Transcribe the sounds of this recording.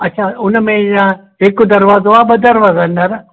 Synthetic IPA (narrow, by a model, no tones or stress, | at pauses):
ɐtːʃʰaʊnmẽjã | ekd̪ɐɾʋaːzoabəd̪ɐɾʋaːzandɐɾ